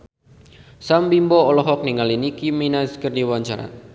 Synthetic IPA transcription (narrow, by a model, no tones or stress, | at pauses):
sambimbɔɔlɔɦɔk̚niŋalinikiminaskərdiwaɲt͡ʃaɾa̰